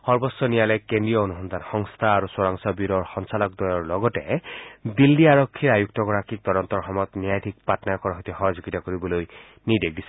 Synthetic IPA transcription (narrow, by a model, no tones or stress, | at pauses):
xɔɹbɔsːɔnijalɔkːend̪ɹijɔonusɔnd̪ʱanxɔŋst̪ʰaːɹusɔɹaŋsɔbiɾɔɹxɔnsalɔk̚d̪ɔjɔɹlɔɡɔtɛd̪ilːiaɹɔkʰːiɹajuk̚tɔɡɔɹakʰik̚t̪ɔdɔnt̪ɔɹxɔmɔjɔt̪niajt̪ʰik̚patnajɔkɔɹɦot̪ixɔɦɔzuɡitakoɹibɔloj | nid̪ek̚disɛ